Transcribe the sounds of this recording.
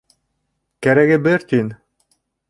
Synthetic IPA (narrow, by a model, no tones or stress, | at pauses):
kæɾæɡɘbɘɾt̪in